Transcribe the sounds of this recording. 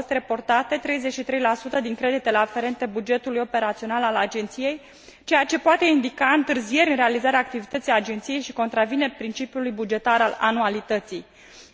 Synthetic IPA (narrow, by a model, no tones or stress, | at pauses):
ost̪re̞po̞rt̪at̪e̞t̪ɾe̞jze̞t͡ʃʃit̪ɾe̞jlasut̪əd̪iŋkɾe̞d̪it̪e̞le̞afe̞ɾe̞nt̪e̞bud͡ʒe̞t̪ulujo̞pe̞ɾat̪sio̞nalalad͡ʒe̞nt̪sije̞j | t͡ʃe̞jat͡ʃe̞poat̪e̞ind̪ikaɨnt̪ɨrzije̞ɾʲɨnre̞alizaɾeaːk̚t̪ivit̪ət̪sijad͡ʒe̞nt̪sije̞jʃiko̞nt̪ɾavine̞pɾint͡ʃipjulujbud͡ʒe̞t̪aɾala̰nualit̪ət̪sij